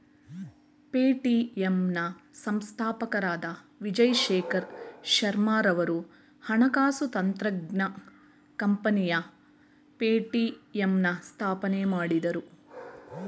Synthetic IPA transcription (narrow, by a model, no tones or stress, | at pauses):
peːʈiemnɐsɐmst̪ʰaːpɐkɐɾaːd̪ɐʋid͡ʒɐjʃɛːkʰɐɾʃɐɾmaːɾɐʋɐɾu | hɐɳɐkaːsut̪ɐnt̪ɾɐɡnɐ | kɐmpɐnijɐ | peːʈiemnɐst̪ʰaːpɐnemaːɽid̪ɐɾu